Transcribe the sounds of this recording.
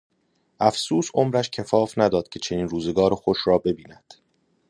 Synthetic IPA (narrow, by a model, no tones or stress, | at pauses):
ʔæfsuːsomɾæʃcʰefɒːfnæd̪ɒːd̪̥cʰe̞t͡ʃʰe̞niːnruːze̞ɡɒːɾexo̞ʃrɒːbe̞biːnæd̪̥